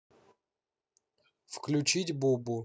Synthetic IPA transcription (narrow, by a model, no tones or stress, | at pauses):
fklʲʊt͡ɕitʲbobʊ